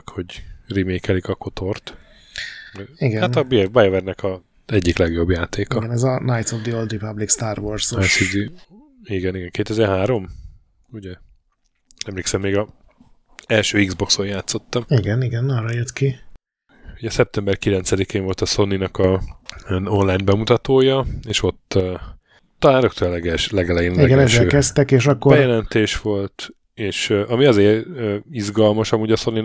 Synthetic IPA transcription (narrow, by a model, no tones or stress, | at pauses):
kho̞ɟrimeːkɛlikɒko̞t̪ʰo̞rt̪ | iɡɛhanɒbibajovɛrnɛkɒ | ɛɟːiklɛɡjo̞bjaːt̪eːkɒɡɛnɛzɒnajt̪sovd̪iold̪ipablikst̪aːrvorzsivd̪i | iɡɛniɡɛŋkeːt̪ɛzɛrɦaːɾo̞m | uɟɛ | ɛmleːksɛmːeːɡɒ | ɛlʃøːiɡzbo̞ksoːrjaːt̪sːo̞t̪ːɒmiɡɛniɡɛnɒrɒjøt̪ki | uɟɛsɛp̚t̪ɛmbɛrkilɛnsɛd̪ikeːɱvo̞lt̪ɒso̞nːinɒkɒ | zo̞nlajnbɛmut̪ɒt̪oːjɒeːʃo̞t̪ː | t̪ɒlaːɾok̚t̪øllɛɡɛlʃlɛɡɛlɛjenliɛɡɛnɛɛʃɛøːkɛst̪ɛkeːʃɒkːobɛjɛlɛnt̪eːʃʋo̞lt̪ | eːʃʔɒmiɒzeːɾizɡɒlmɒʃɒmuːɟɒso̞nːi